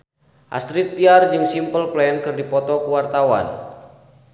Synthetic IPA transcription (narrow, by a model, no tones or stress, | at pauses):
ʔa̰st̪ɾit̪ːiard͡ʒɨŋsimpəlplɛnkɨrdipɔt̪ɔkuwart̪awa̰n